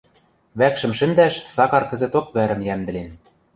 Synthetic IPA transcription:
βækʃɘ̆mʃɘ̆nd̪æʃsɑkɑrkɘ̆zɘ̆t̪okβæɾɘ̆mjæmd̪ɘ̆len

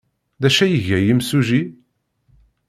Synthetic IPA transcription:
ðæʃæjəʝæjimsuʒi

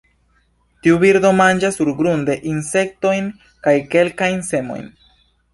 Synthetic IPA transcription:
tiubiɾdo̞mand͡ʒasːuɾɡɾunde̞ʔinse̞k̚to̞jn | kajke̞lkajnse̞mo̞̰jn

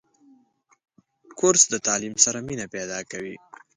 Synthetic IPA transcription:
kʊɾsd̪ət̪ɑlimsaɾaminaped̪ɑkawi

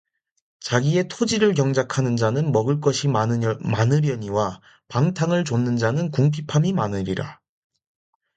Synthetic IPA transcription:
t͡ɕaɡie̞tʰod͡ʑiɾɯɭkjʌŋd͡ʑakʰanɯnd͡ʑanɯnmʌɡɯɭk̬͈ʌɕʰimanɯɾjʌɲiwa | paŋtʰaŋɯɭt͡ɕonːɯnd͡ʑanɯnkuŋpʰipʰamimanɯɾiɾa̰

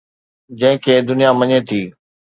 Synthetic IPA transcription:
d͡ʑɐ̃ɦɪ̃kʰeːd̪ʊnijamɐɲet̪ʰiː

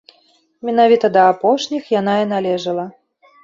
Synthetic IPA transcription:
mʲɛn̪avʲit̪ɐd̪ɐːpɔʂnʲixjan̪ainalʲɛʐɐlˠɐ

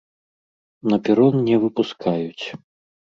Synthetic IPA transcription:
nɐpʲɛɾɔnnʲɛvɨpuskʰajut͡sʲ

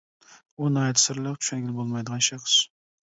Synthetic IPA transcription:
unɑjt̪ʰsɪɾlˠəqt͡ʃ̪ʰʊ̥ʃɛnɡʲɪlbolˠmɑjd̪əʁɑnʃɑχʃ

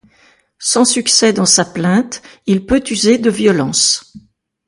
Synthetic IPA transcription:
sɑ̃syksɛd̪ɑ̃saplɛ̃t̪ilpøt̪yzed̪əvjɔlɑ̃s

